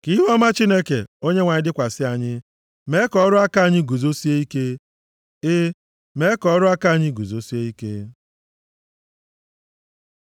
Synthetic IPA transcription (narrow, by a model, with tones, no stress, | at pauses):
ki˦ɦɔ˦ma˦t͡ʃi˦ne˦kḛ˨o˦ɲe˦ŋʷa˨ɲɪ˦dɪ˦kʷa˨sɪ˦a˨ɲɪ˦ | me˨˦kɔ˨ɔ˦ɾʊ˦a˦ka˦˨ɲɪ˦ɡu˨zo˦si˦e˦i˦ke˦ | ɪ˦ | me˨˦kɔ˨ɔ˦ɾʊ˦a˦ka˦˨ɲɪ˦ɡu˨zo˦si˦e˦i˦kḛ˦